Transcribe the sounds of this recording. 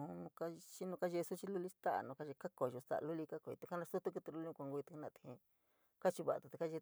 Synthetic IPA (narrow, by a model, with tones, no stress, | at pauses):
nũ˧ka˦t͡ʃi˦nũ˧ka˦ʒe˧su˦t͡ʃi˦lu˦˧li˦st̪a˦ʔa̰˨nũ˧ka˧˦ʒe˧ka˦ko˨˧ʒo˧sa̰˨ʔlu˦li˧ka˦ko˨ḭ˧t̪u˧ka˦nã˧su˦t̪u˦ku˧t̪e˧lu˧˦li˦ũ˧kʷa˧ŋɡu˧i˧t̪u˧ka˦nã˧˨t̪hḭ̃˧ | ka˦t͡ʃi˧βa˨ʔa˧t̪u˧t̪e˧ka˦ʒe˧